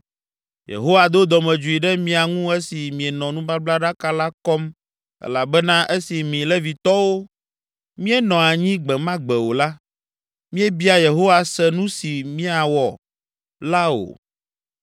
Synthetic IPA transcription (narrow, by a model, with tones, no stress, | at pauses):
jḛ˨ɦo˦wa˨d̪o˦d̪ɔ˨mɛ̃˨d͡ʒu˨i˨ɖɛ˦mĩ˨a˨ŋũ˦ɛ˦si˨mĩ˨e˨nɔ̃˨nũ˦ba˦bla˦ɖa˦ka˦la˦kɔ˦m | ɛ̰˦la˨bɛ˦nã˦ʔe˦si˨mĩ˨lɛ˦vi˨t̪ɔ˦wo˦ | mĩ˦ɛ˦nɔ̃˨a˨ɲĩ˦ɡ͡bɛ˨mã˦ɡ͡bɛ˨wo˨la˦ | mĩ˦ɛ˦bi˦a˨je˨ɦo˦wa˨sɛ˨nũ˦si˨mĩ˦a˨wɔ˨ | la˦o̰˨